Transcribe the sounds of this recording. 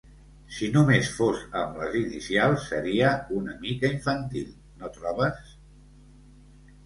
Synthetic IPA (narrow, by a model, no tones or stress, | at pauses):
sinumesfozə̰mlə̰zinḭsialˠsːəɾiəunəmikəiɱfənt̪ḭlˠ | not̪ɾɔβəs